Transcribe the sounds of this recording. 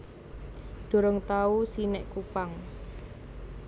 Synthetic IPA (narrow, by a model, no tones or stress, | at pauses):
ɖ̪̥o̤ɾɔŋt̪ausinɛʔkupaŋ